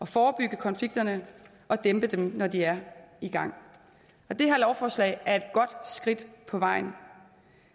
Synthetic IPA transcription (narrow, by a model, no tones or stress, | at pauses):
ɒ̽fɒːb̥yɡ̥əkʰɒ̽nfliɡ̥̚d̥ɐnə | ʔɒ̽d̥emb̥əd̥emnɒd̥iæɐiɡ̥ɑ̈ŋ̰ | ɒ̽d̥e̝hæɐlɒʊfɒːslɛ̰ɪæɐe̝d̥̚ɡ̥ɒ̽d̥sɡ̥ʁid̥pʰɒ̽ʋɑ̈ɪ̰n